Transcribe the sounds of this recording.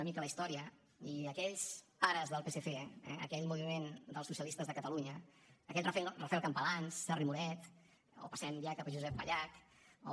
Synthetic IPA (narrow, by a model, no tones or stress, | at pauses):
əmikələist̪ɔɾiə | iəkɛʎzaɾəzðəlˠpesefeɛ̰ə̰kɛʎmuβimend̪əlˠsusiəlist̪əzðəkət̪əluɲəː | kɛʎrɛrəfɛlˠkəmpəlansːɛrimuɾɛt̪ | o̰pəsɛnbiakəpəʒuzɛpbə̰ʎak | o̰